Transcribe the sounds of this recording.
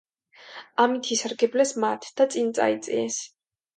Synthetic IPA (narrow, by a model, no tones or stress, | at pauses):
amit̪ʰisaɾɡɛblɛsmat̪ʰd̪̥at̪sʼint̪sʼa̰it̪sʼḭɛs